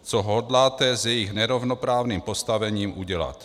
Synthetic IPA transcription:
t͡soɦodlaːt̪ɛzjɛjixnɛɾovnopɾaːvniːmpo̞st̪avɛɲiːmʔuɟɛla̰t̪

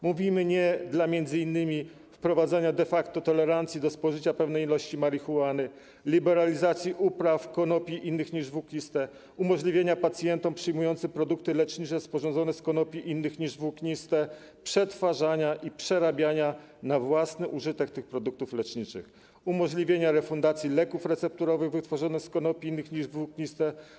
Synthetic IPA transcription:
muvʲimɘɲɛd̪lamʲjɛnd̪zɘinːɘmʲi | fpɾɔvad̪zaɲad̪ɛfakt̪ɔt̪ɔlɛɾant̪sʲjid̪ɔspɔʐɘt͡ɕapɛvnɛjilɔɕt͡ɕimaɾixuanɘ | lʲibɛɾalʲizat̪sʲjiʔupɾafkɔnɔpʲiʔinːɘxɲiʐvukɲʲist̪ɛ | umɔʐlʲivʲjeɲapat̪sʲjɛnt̪ɔmpʂɘjmujɔnt̪sɘmpɾɔd̪uk̚t̪ɘlɛt͡ʂɲit͡ʂɛspɔʐɔnzɔnɛskɔnɔpʲiʔinːɘxɲiʐvukɲist̪ɛ | pʂɛt̪faʐaɲaʔipʂɛɾabʲjaɲa | navwasnɘʔuʐɘt̪ɛk̚t̪ɘxpɾɔd̪uk̚t̪uflɛt͡ʂɲit͡ʂɘ̰x | umɔʐlʲivʲjeɲaɾɛfund̪at̪sʲjilɛkufɾɛt̪sɛp̚t̪uɾɔvɘɣvɘt̪fɔʐɔnɛskɔnɔpʲiinːɘxɲiʐvukɲist̪ɛ

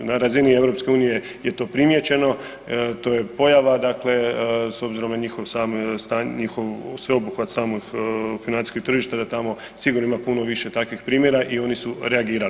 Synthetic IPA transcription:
naɾazinie̞vɾo̞pske̞uːnije̞ | je̞t̪o̞ːpɾimje̞t͡ɕe̞no̞ | t̪o̞je̞po̞jaʋad̪akle̞so̞bziɾo̞mnaɲixo̞ʋsaːmst̪aɲixoʋsʋeobuxʋat̪saːmoɡfinant̪i̥skok̚t̪r̩ʒiʃt̪ad̪at̪amo̞ | siɡuɾnoimapuno̞ʋiʃe̞t̪akʋixpɾiːmjeɾaʔio̞nisuɾe̞aɡiːɾali

